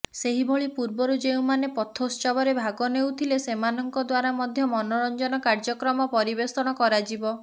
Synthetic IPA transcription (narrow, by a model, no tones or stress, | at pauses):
seɦibʱɔɭipuɾbɔɾud͡ʒeũmanepɔt̪ʰost͡ʃɔbɔɾebʱaɡɔnewt̪ʰilesemanɔŋkɔd̪waɾamɔd̪ʱjɔmɔnɔɾɔnd͡ʒɔnɔkaɾd͡ʒɔkɾɔmɔpɔɾibesɔɽ̃ɔkɔɾad͡ʒibɔ